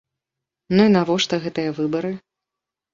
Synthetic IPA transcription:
nuinavɔʂt̪ɐɣɛt̪ɨjɐvɨbɐɾɨ

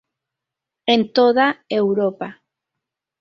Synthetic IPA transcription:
ent̪oðaewɾopa

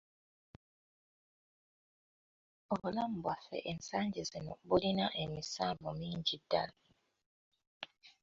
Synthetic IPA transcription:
oβulam̩bwafɛ̰ʔensaɲɟezinɔbulinaʔemisabomiːɲd͡ʒida̰li

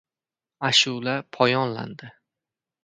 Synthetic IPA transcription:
aʃulapʰɒjɒnla̰nd̪ɪ

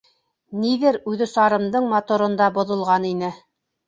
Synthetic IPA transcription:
niðɘɾʉðɘsɑɾɤ̆md̪ɤɴmɑt̪ŏɾɤ̆nd̪ɑbŏðŏlˠʁɑninɘ

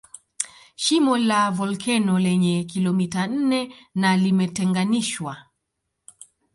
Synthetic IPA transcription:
ʃimɔlavɔlkʰɛnɔlɛɲɛkilɔmitan̩nɛnalimɛtɛŋɡaniʃwa

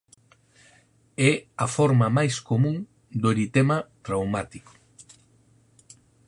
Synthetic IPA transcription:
ɛɐfɔɾmɐmajskomũŋ | d̪oɾit̪emat̪ɾawmat̪iko̥

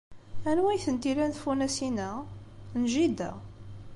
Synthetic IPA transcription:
ænwæjθənt̪iɾænθfunæsinæ | nʒid̪æ̰

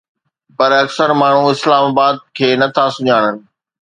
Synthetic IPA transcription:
pɐɾɐksəɾmaːɳ̤uɪslaːmaːbaːd̪̚kʰeːnɐt̪ʰasʊɲaːɽ̃ənɪ̆

